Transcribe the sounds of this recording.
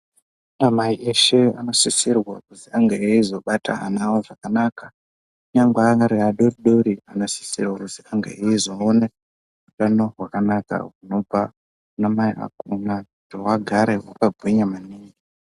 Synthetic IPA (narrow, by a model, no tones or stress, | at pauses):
amaiʔeʃe̞a̰no̞sisirwakuziaŋɡeeizo̞ɓata̰ɦa̰nawoʐakanaːka | uɲaŋɡaŋaɾeaɗoriɗoɾianosi̥sirwakuziaŋɡḛeizo̞ːne | utano̞ɦwakanaka̰ɦuno̞b͡va | unamaiʔa̰kuna | towaɡʱaɾeɦwakaɡʱwiɲamaniːŋi